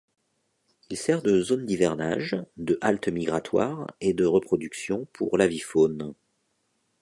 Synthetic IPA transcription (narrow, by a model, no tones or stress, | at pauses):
ilsɛʁd̪əzond̪ivɛʁna̰ʒd̪əʔalt̪miɡʁat̪wa̰ʁed̪əʁəpχɔd̪yksjɔ̃pʰṵʁlavifon